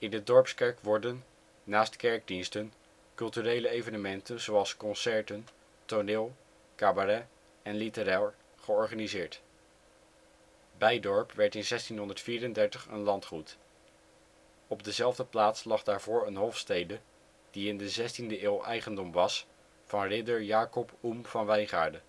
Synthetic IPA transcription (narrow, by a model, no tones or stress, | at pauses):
ɪndədɔɹpskɛɹkʋɔɹdənː | aːstkɛɹɡ̚dinstən | kɵlˠtyrejləejvənəmɛntənzowɑlˠskɔnsɛɹtən | tonɪːlˠ | kaːbarɛ | ɛnlitəraːlˠ | χəɔɹχanizɪːɹt | bɛjdɔɹpʋɛɹtɪnzɛstinɦɔndəɹtfiːɾəndɛɹtəχə̰nlɑntχut | ɔb̚dəzɛlˠvdəplaːtslɑχdaːɹvʊːɹənɦɔfstejdə | d̥iɪndəzɛstindəʔɪːlˠʔɛjχəndɔmʋɑs | vɑnrɪdəɹjaːkɔpumv̥ɑnʋɛjnχa̰ːɹdə